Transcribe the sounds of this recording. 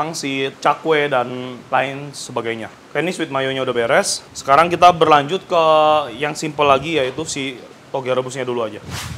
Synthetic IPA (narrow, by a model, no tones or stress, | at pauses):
aŋsit͡ʃakwedanlaɪnsəbaɡajɲa | kaniswɪt̪̚majoɲaudahbeɾɛsːə̥kaɾaŋkit̪abərlaɲd͡ʒʊt̪̚kəjaŋsimpəlaɡijait̪usi | t̪oɡɛɾəbʊsɲaduluad͡ʒa